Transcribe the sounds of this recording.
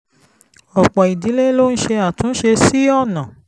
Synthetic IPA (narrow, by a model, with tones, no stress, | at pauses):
ɔ˨k͡pɔ˨i˨di˨˦le˦lo˦n̩˦ʃe˧a˨tũ˨˦n̩˦ʃe˧si˦ɔ˦˨nã˨